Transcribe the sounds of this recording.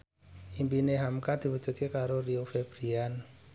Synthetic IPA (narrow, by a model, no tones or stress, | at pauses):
imbineɦamkad̪̥i̤wu̥d͡ʒ̥ṳt̪̚kekaɾoriofeb̥ɾian